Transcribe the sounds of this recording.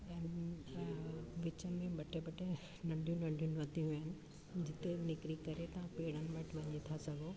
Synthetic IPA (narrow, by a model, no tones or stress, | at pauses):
ɛːnɪ | ʋɪt͡ɕəmẽbɐʈebɐʈe | nɐ̃ɳɖʱjũnɐ̃ɳɖʱjũnʋɐt̪ijũɦɪnɪ̆ | d͡ʑɪt̪enɪkɾikɐɾet̪ɐãpeːɽ̤ənɪ̆ʋɐʈʰʋɐɲit̪ʰasɐɡʱo